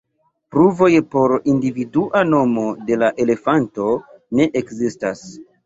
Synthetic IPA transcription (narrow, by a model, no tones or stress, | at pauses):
pɾuvo̞jpo̞ɾindividuʔano̞mo̞de̞laʔe̞le̞fanto̞ne̞ʔekzistas